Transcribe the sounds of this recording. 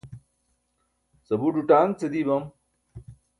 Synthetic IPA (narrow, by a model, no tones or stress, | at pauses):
sɐbuɖuʈaːnt͡sed̪ibɐm